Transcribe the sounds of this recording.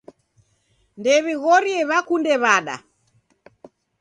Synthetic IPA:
ndɛβiɣɔɾiɛβakundɛβaɗa̰

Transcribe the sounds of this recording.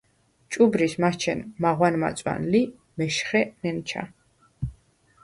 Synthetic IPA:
t͡ʃʼubɾismat͡ʃʰɛnmaʁwanma̰t̪sʼwa̰nli | mɛʃχɛnɛnt͡ʃʰa̰

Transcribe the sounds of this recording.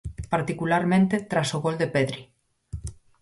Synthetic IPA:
paɾt̪ikulaɾmẽnt̪et̪ɾasoɣold̪epeðɾi

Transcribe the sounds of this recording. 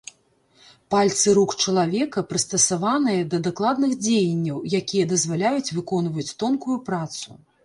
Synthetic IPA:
palʲt̪sɨɾukt͡ʂɐlˠavʲɛkɐpɾɨst̪ɐsavanɨjɐd̪ɐd̪aklˠad̪nɨxd͡zʲejɐnʲːɐwjakʲijɐd̪ɐzvalʲajut͡sʲvɨkɔnvɐjut͡sʲt̪ɔnkujupɾat̪su

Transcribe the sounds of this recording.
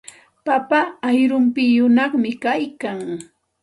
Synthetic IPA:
papaːjɾʊmpɪjʊnɑχmɪkajkaŋ

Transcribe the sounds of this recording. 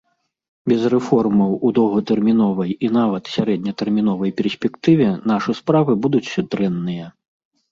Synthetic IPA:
bʲɛzrɛfɔrmɐwud̪ɔwɣɐt̪ɛrmʲinɔvɐjinavɐt̪sʲaɾɛd̪̚ʲnʲɐt̪ɛrmʲinɔvɐjpʲɛrsʲpʲɛkt̪ɨvʲɛnaʂɨspɾavɨbud̪ut͡sʲd̪ɾɛnːɨjɐ

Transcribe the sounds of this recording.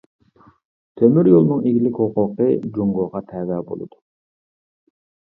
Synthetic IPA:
t̪ʰømyɾjolˠnɨŋiɡʲilɪkʲhoqʊqʰəd͡ʒuŋɡoːʁɑt̪ʰɛːvɛbo̰lˠɨ̰d̪̥u

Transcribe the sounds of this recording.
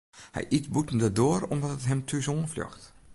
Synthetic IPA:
hɛ̰jʔitbutəm̩dədoːəɾomdɔtətɦɛmtʰysoːnfljɔ̰xt

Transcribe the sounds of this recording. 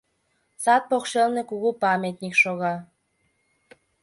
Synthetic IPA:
sɑt̪̚pokʃelnekuɣupɑmʲet̪ʲnʲikʃoɣɑ

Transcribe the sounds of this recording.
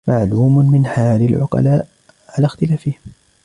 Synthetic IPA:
maʕluːmmɪnħaːlɪlʕʊ̰qɑ̰laːʔ | ʕalaːxt̪ɪlaːfɪhɪm

